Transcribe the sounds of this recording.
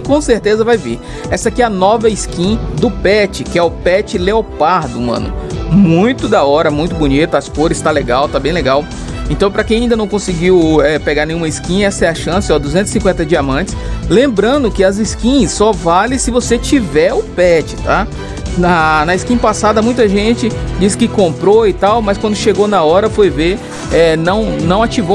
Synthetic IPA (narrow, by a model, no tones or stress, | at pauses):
kõseɾt̪ezɐvajvḭɾ | ɛsɐkiɛɐnɔvɐiskĩd̪ʊpɛt͡ʃɪkɪɛʊpɛt͡ʃɪleopaɾd̪ʊmɐ̰̃nʊ̰mũj̃t̪ʊd̪aɔɾɐmũj̃t̪ʊbunit̪ɐɐskoɾɪst̪aleɡawt̪abẽj̃leɡaw | ẽnt̪ɐ̃w̃pɾɐkẽj̃ɐ̃ĩd̪ɐnɐ̃w̃kõsɪɡiwɛpeɡaɾnẽj̃ũmɐiskĩɲɐɛsɐɛɐʃɐ̃sɪɔd̪uzẽnt̪ʊ̥z̥ɪsĩkwẽt̪ɐd͡ʒiamɐ̃t͡ʃɪ̥slẽmbɾɐ̃nd̪ʊkɪɐziskĩɲɐsːɔvalɪ̃sɪvoset͡ʃivɛʊpɛt͡ʃɪ̥t̪a | nɐnɐiskĩɲɐpasad̪ɐmũj̃t̪ɐʒẽt͡ʃɪd͡ʒisɪ̥kɪkõpɾoɪt̪awmɐskwɐ̃nd̪ʊʃeɡonɐɔɾɐfojveɾ | ɛnɐ̃w̃nɐ̃w̃at͡ʃivo